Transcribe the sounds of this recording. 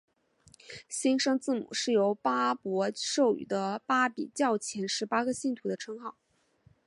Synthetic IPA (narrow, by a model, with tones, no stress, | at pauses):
ɕi˥nʂɤ˥ŋt͡sɹ̩˥˩mṵ˨˩ʂɻ̩˥˩jo˧˥ʊpa˥pwɔ˧˥ʂo˥˩ʊy̰˨˩d̪ə˦pa˥pḭ˨˩t͡ɕjɑ˥˩ʊt͡ɕʰjɛ˧˥nʂɻ̩˧˥pa˥ɡə˧ɕi˥˩nt̪ʰu˧˥d̪ə˧ʈ͡ʂʰɤ˥ŋxɑ˥˩ʊ